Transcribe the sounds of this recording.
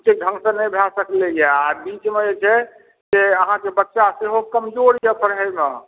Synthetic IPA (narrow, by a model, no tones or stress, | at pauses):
t͡ʃek̚dʱə̃ŋɡsə̃nəjbʱasəklejeabit͡ʃmed͡ʒet͡ʃʰɛ | d͡ʒeəɦãkebətːʃaseɦokəmd͡ʒoɾjɛpʰəɾɦɛme